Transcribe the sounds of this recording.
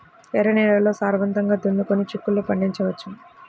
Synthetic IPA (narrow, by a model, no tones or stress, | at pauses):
ɛːɾɐniːlɐlo̞ːsaːɾʋɐnt̪ɐŋɡaːd̪und̪ukonːit͡ʃikːulːupɐɳɖiɲt͡ʃɐʋɐt͡ʃːu